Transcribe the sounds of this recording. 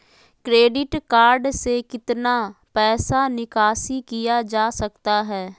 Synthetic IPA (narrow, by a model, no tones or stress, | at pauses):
kɾeːɖɪʈkaːɾɖsekɪt̪naːpɛːsaːnɪkaːsiːkɪjaːd͡ʒaːsəkt̪aːɦɛː